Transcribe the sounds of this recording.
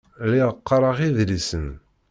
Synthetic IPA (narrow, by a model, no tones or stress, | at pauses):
liʁəqːɑɾˤəʁiðlisən